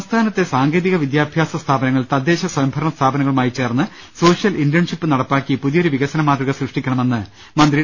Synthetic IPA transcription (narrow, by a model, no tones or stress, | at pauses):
ɐmst̪ʰaːnɐt̪ːe̞saːŋɡe̞ːðiɣɐʋid̪jaːbʱjaːsɐst̪ʰaːbɐnɐŋːɐɭt̪ɐd̪ːe̞ːɕɐswɐjɐmbʱɐɾɐɳɐst̪ʰaːbɐnɐŋɐɭumaːjit͡ɕe̞ːrnːɨ | so̞ːʂjɐlindɐɳʂipːɨnɐɽɐpːaːkːipuðijoɾuʋiɣɐsɐnɐmaːd̪riɣɐsrɨʂʈikʲːɐɳɐme̞nːɨ | mɐnd̪ri